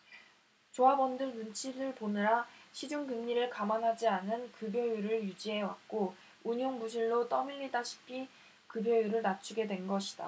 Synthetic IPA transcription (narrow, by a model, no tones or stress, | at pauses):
t͡ɕoabʌndɯɭnunt͡ɕʰiɾɯɭponɯɾaɕʰid͡ʑuŋɡɯmɲiɾɯɭkamanɦad͡ʑianɯnkɯbjʌjuɾɯɭjud͡ʑiɦe̞wa̰k̚k͈o | uɲjoŋmuɕʰiɭːot͈ʌmiɭːidaɕʰi̥pʰi | kɯbjʌjuɾɯɭnat͡ɕʰuɡe̞dwe̞nɡʌɕʰid̥a̰